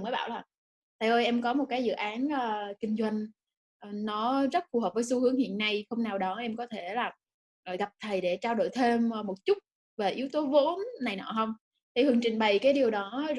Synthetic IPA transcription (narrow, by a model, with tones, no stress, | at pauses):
ŋməː˨˦jɓaː˧˨wlaː˨˩ | t̪ʰa˧jo˧jʔɛ˧mkɔ˨˦mo˨˩t̚kaː˨˦jzɨ̰˧˨ʔaː˨˦nʔəː˨˩kï˧ŋ̟zwa˧jŋ̟ | ʔnɔ˨˦zə˦˥t̚fu˨˩həː˨˩vəː˨˦jsu˧hɨ˨˦əŋhḭ˧˨ənːa˧jxə˧wŋ͡mnaː˨˩wɗɔ˨˦ʔɛ˧mkɔ˨˦t̪ʰe˧˩laː˨˩ | ʔəː˧˩jɣa˨˩p̚t̪ʰə˨˩jɗe˧˩t͡ɕaː˧ɗo̰˧˨jt̪ʰe˧mː˨˩mo˨˩t̚t͡ɕʊ˦˥t̚ | ve˨˩ʔi˨˦əwt̪o˨˦vo˨˦nːa˨˩jnɔ̰˧˨˩ɦə˧wŋ͡m | t̪ʰi˨˩hɨ˨˩əŋt͡ɕï˨˩ŋ̟ɓə˨˩jkaː˨˦jɗi˨˩əwɗɔ˨˦